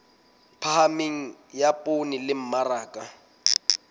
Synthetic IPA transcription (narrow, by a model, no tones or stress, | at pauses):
pʰahameŋ̩japʼonilɪm̩maraːkʼa